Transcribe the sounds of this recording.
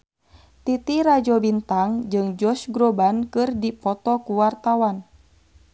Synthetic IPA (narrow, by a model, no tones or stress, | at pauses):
t̪it̪iɾad͡ʒɔbint̪aŋd͡ʒɨŋd͡ʒɔsɡɾobankɨrdipɔt̪ɔkuwart̪awan